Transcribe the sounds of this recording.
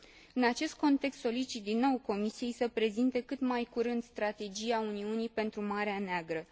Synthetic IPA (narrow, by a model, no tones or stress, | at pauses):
ɨnat͡ʃe̞st̪̚ko̞nt̪e̞kst̪so̞lit͡ʃit̪̚d̪inːo̞wko̞misije̞jsəpɾe̞zint̪e̞kɨt̪majkuɾɨnd̪st̪ɾat̪e̞d͡ʒiauniunipe̞nt̪ɾumaɾeaneaɡɾə